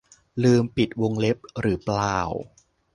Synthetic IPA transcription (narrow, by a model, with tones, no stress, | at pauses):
lɯː˧mpi˨˩t̪̚wo˧ŋle˦˥p̚ɾɯː˩˦plaː˧˩w